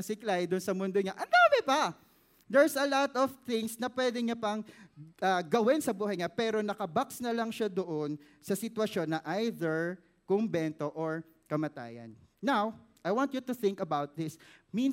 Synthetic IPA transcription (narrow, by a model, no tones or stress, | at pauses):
sɪklajd̪ʊnsɐmʊnd̪oɲaʔɐnd̪aːmɛbɐ | d̪ɛɹsɐlɔt̪ɔvθɪŋsnɐpwɛd̪ɛɲɐpɐŋɐɡɐwɪnsɐbuːɦɐjɲapɛːɾo̞nɐkɐbaksnɐlɐŋʃad̪oʔon | sɐsɪt̪wɐʃo̞nːɐʔajðɛɹ | kʊmbɛnt̪o̞ʔoɹ | kɐmɐt̪a̰ːjɐ̰nːawʔɐjwãnt̪jut̪ʊθɪ̃ŋkɐbawt̪̚ðɪsmin